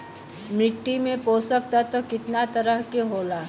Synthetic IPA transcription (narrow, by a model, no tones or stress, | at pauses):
mɾɪʈ̪ːimẽpoːsək̚t̪at̪okɪt̪nat̪ɐɾəɦkeɦoːlaː